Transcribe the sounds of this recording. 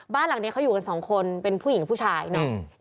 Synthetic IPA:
baː˥˩nla˨˩˦ŋni˦˥kʰa˦˥wjuː˨˩ka˧nsɔː˩˦ŋkʰo˧npe˧npʰuː˥˩ji˩˦pʰuː˥˩t͡ɕʰaː˧jnɔ˦˥

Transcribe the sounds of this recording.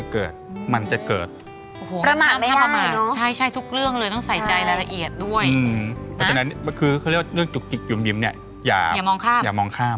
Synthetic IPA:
a˨˩kɤː˨˩t̪̚ma˧nt͡ɕa˨˩kɤ̰ː˨˩t̪̚ | ʔoː˨˩hoː˨˩˦pɾa˧maː˧a˥˩˨aː˥pɾmaː˧˦t͡ɕʰa˥˩jt͡ɕʰa˥˩jt̪ʰu˦˥k̚ɾɯ˥˩əŋlɤː˧jt̪ɔ˥˩ŋsa˨˩˦jt͡ɕa˧jla˧la˧ʔi˨˩ət̪̚du˥˩əjɯ˧pʰɔ˧˦˥na˦˥nkʰɯː˧a˥˩ja˥˧ɾɯ˥˩əŋt͡ɕu˨˩k̚t͡ɕi˨˩k̚ju˨˩˦mji˧mni˥˩ɐ | ja̰ː˨˩aː˨˩mɔː˧ŋkʰaː˥˩mjaː˨˩mɔː˧ŋkʰaː˥˩m

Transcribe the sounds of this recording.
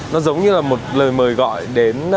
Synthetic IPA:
nɔ˨˦zə˨˦wŋ͡mɲɨ˧laː˨˩mo˨˩t̚ləː˨˩jməː˨˩jɣɔ̰˧˨jɗe˨˦n

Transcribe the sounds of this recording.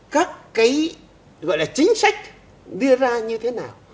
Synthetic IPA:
kaː˦˥kːaː˨˦j | ɣɔ̰˧˨jlaː˨˩t͡ɕï˨˦ŋ̟sa˦˥jk̟̚ | ɗɨ˧əzaː˧ɲɨ˧t̪ʰe˨˦naː˨˩w

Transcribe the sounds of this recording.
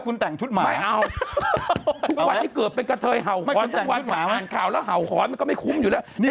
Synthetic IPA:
kʰu˧nt̪ɛ˨˩ŋt̪ʰu˦˥t̚maː˧a˥˩jʔa˧w | tʰu˦˥k̚wa˧nt̪ʰiː˥˩kɯː˨˩ət̪̚pe˧nka˧t̪ʰɤː˧jɦa˨˩wkɔː˨˦nt̪ʰːwa˧˦aː˨˩aaː˨˩nkʰaː˨˩wlɛː˦˥wɦa˨˩wxʰɔː˨˦nma˧nkɔː˥˩ma˥˩jkʰu˦˥mju˨˩lɛː˦˥˧

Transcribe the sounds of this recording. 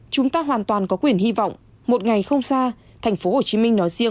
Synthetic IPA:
t͡ɕʊ˨˦ŋ͡mt̪aː˧ɦwaː˨˩nt̪waː˨˩nkɔ˨˦kwi˨˩ənhi˧va̰˧˨wŋ͡m | mo˨˩t̚ŋa˨˩jxə˧wŋ͡msaː˧ | t̪ʰɛ˨˩ŋ̟fo˨˦ho˨˩t͡ɕi˨˦mï˧ŋnɔ˨˦jzi˧ə

